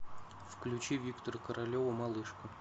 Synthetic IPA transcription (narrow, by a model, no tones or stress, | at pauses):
fklʲʉt͡ɕivʲikt̪ərkəɾɐlʲovəmɐlˠɨʂkʊ